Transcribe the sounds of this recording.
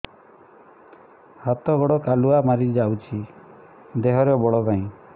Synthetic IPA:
hat̪ɔɡɔɽɔkaluamaɾid͡ʒawt͡ʃʰi | d̪eɦɔɾebɔɽɔt̪aĩ

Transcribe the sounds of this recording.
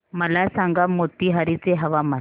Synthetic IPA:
məlasãŋɡamot̪iːɦaɾit͡seɦəʋama

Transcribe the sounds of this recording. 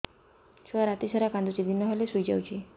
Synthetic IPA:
ʃwaɾat̪isaɾakand̪ut͡ʃid̪inːɔɦalesujd͡ʒa̰wt͡ʃʰi

